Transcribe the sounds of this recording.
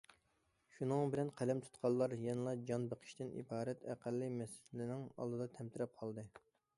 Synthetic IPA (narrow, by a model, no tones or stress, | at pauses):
ʃunɨŋbɪlɛnqʰælɛmt̪ʰu̥t̪qʰɑlˠːɑɾjɛnɨlˠɑd͡ʒɑnbəqʰə̥ʃt̪ɪnḭbɑːɾɛt̪æqʰælːɨmɛslɪnɪŋɑ̰lˠd̪ɨd̪ɑt̪ʰɛmt̪ɪɾɛp̚qʰɑlˠd̪ɨ